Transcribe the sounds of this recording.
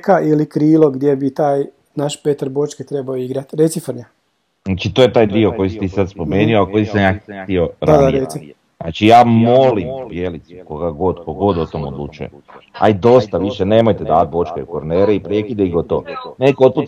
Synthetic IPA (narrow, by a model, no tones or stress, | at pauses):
kaʔilikɾiːlˠoɡd̪jebit̪aːj | naʃpet̪aɾbo̞t͡ʃket̪ɾebaoiɡɾat̪ɾet̪sifr̩ɲa | nat͡ʃit̪oːjet̪aːjd̪io̞kojisi̥t̪iːsad̪spo̞meːnioako̞jisamjaːxt̪io̞ɾad̪aɾesi | na̰t͡ʃijaːmo̞limpjelit̪su̥koɡaɡo̞d̪koɡo̞d̪ot̪omod̪lˠṵːt͡ʃṵjḛa̰jd̪o̞st̪aʋiʃene̞ːmojt̪ed̪aːat̪̚bo̞t͡ʃkeukoɾneːɾeipɾekid̪eiɡot̪o̰ːnekot̪̚put̪